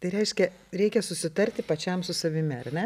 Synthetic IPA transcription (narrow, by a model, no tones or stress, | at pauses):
t̪ɐɪɾʲɛɪʃʲkʲɛ | ɾʲɛɪkʲɛsʊsʲɪt̪ɐɾʲt̪ʲɪpɐt͡ʃʲɛmsʊsɐʋʲɪmʲɪɐrnʲɛ